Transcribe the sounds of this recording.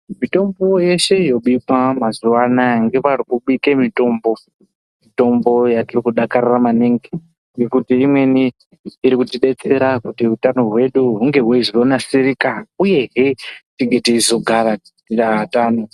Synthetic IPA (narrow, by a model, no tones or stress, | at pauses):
mito̞mbo̞je̞ʃe̞jo̞ɓikamazuwanaŋɡe̞ʋarikuɓike̞mito̞ːmbo̞ | mito̞mbo̞jatirikuɗakariramaneŋɡe | ŋɡe̞kutiːmwe̞niː | ɾikutiɗe̞t͡se̞ɾakutiutano̞ɦwe̞ɗuɦuŋɡe̞ɦwezironasiɾikauje̞ɦetiŋɡetiizo̞ɡʱaɾai | iraataːno